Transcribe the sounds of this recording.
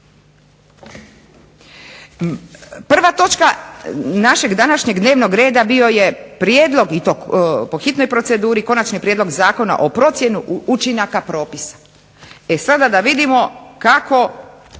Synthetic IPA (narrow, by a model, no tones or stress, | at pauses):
pr̩ʋat̪o̞t͡ʃkanaʃe̞ɡd̪anaʃɲe̞ɡd̪ne̞ːʋno̞ɡɾe̞ːd̪abio̞je̞pɾjeːd̪lˠo̞ɡit̪opo̞xit̪no̞jpɾo̞t̪se̞d̪uːɾiko̞nat͡ʃnipɾjed̪lo̞ɡzaːko̞na̰ʔopɾo̞t̪sjenuut͡ʃinakapɾo̞ːpisḁ | e̞sad̪ad̪aʋid̪imo̞kako̞